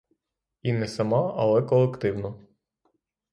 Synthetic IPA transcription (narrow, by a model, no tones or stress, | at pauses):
inɛsɐmɑɐlˠɛkɔlˠekt̪ɪwnɔ